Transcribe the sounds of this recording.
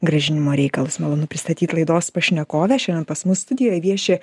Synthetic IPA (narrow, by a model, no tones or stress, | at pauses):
ɡɾɐʒʲɪnʲɪmoːɾʲɛɪkɐlˠʊsmɐlˠoːnʊpʲɾʲɪst̪ɐt̪ʲiːt̪lˠɐɪd̪oːspɐʃʲnʲɛkoːʋʲɛʃʲɛnd̪ʲɛnpɐsmʊsst̪ʊd̪ʲɪjoːjʋʲiɛʃʲe